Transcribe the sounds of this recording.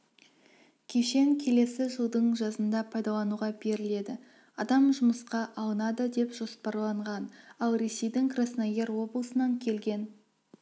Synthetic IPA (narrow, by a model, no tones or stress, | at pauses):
kʲʰe̞ʃe̞ŋkʲʰe̞le̞sɪʒəlˠd̪əɴʒɑzənd̪ɑpʰɑjd̪ɑlˠɑnuʁɑbe̞ɾɪle̞d̪ɪ | ɑd̪ɑmʒʊməsqɑʔɑlˠənɑd̪əd̪e̞pʒ̥o̞spɑɾlˠɑɴʁɑnɑlˠɾe̞se̞jd̪ɪŋkrasnaɡʲe̞ɾwo̞blˠəsənɑŋkʲʰe̞lɡʲe̞n